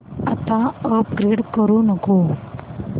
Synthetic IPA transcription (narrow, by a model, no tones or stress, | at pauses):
at̪ãəpɡɾeɖkəɾunəko